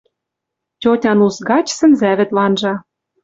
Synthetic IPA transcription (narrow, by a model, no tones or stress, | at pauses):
tʲotʲɑnusɡɑt͡ɕsɘ̆nzæβɘ̆t̪lɑnʒɑ